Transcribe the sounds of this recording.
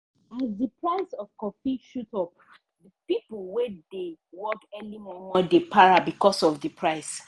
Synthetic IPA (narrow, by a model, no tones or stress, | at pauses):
izdəpʰɹaɪsɔfkɔfiʃutɔp | dəpiplwɛdewɔkɛlimamɔdepʰaɹabikɔsɔvdəpʰɹaɪs